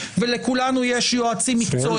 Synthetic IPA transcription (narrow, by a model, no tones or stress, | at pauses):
velekulanujeʃjoat͡simikt͡so